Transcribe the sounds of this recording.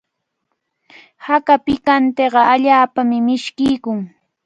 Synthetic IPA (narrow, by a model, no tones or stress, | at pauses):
hakapɪkant̪eɢɑʔaʎaːpamɪmɪʃkɪjkʊŋ